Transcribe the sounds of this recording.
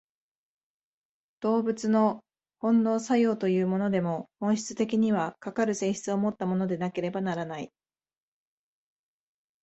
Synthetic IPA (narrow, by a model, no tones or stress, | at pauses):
d̪̥o̞ːbɯ̟t͡sɨno̞ | hõ̞nːo̞ːsajo̞ːt̪o̞jɯ̟ːmo̞no̞d̪e̞mo̞hõ̞ɰ̃ɕi̥t͡sɨ̥t̪e̞kʲiɲ̟iβ̞akakaɾɯ̟se̞ːɕi̥t͡sɨo̞mo̞t̪ːamo̞no̞d̪e̞nake̞ɾe̞banaɾanai